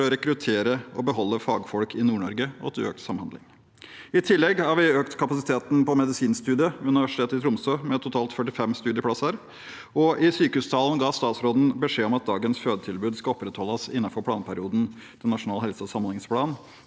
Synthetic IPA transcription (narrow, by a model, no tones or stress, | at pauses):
ɔɾɛkɾʉt̪ʰeːɾəɔbəɦɔlːəfɑːɡfɔlkʰɪnuːɳɔɾɡəɔ̰t̪ʰɪlø̰ːkt̪sɑmhɑnd̪lɪ̰ŋ | ɪt̪ʰɪlːɛɡhɑɾʋɪøːkt̪kʰɑpɑsɪt̪ʰeːt̪n̩pɔmɛd̪ɪsiːnst̪ʉːd̪ɪəʉnɪʋæʂɪ̥tʰeːt̪ɪt̪ʰɾʊmsøːmɛt̪ʰʊt̪ʰɑːlt̪fœʈɪfɛmst̪ʉːd̪ɪəpʰɽɑsəɾ | ɔʔɪsyːkəhʉːst̪ʰɑːln̩ɡɑːst̪ɑːt̪sɾoːd̪n̩bəʂeːɔmɑt̪̚d̪ɑːɡənsføːd̪ət̪ʰɪlbʉːd̪skɑɔpːɾɛt̪hɔlːəsɪnːɑfɔɾpʰɽɑːnpʰæɾɪuːd̪n̩ | t̪ʰɪnɑʂʊnɑːlɦɛlsəɔsɑmənɪŋspʰlɑːn